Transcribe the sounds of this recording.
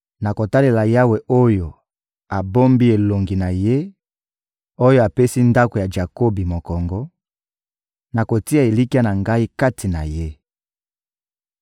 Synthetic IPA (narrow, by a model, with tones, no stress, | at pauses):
na˨ko˨ta˦le˨la˨ja˦we˨ʔo˦jo˨ | a˨bo˦mbi˦e˨lo˨ŋɡi˨na˨je˦ | o˦jo˦a˨pe˦si˦nda˦ko˨ja˨d͡ʒa˨ko˦bi˨mo˨kɔ˨ŋɡɔ˦ | na˨ko˨ti˦a˨e˨li˦ki˦a˦na˨ŋɡa˦i˦ka˦tʰi˨na̰˨je˦